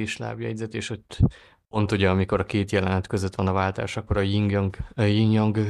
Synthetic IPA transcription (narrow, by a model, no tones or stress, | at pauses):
eʃla̰ːbjɛ̰ɟzɛt̪eːʃot̪ː | ont̪oɟɒːmiko̞ɾɒkeːt̪jɛlɛnɛt̪kø̞zøt̪ʋɒnɒvaːlt̪a̰ːʃɒkːo̞ɾɒjiŋɡŋjiŋɡjɒŋɡ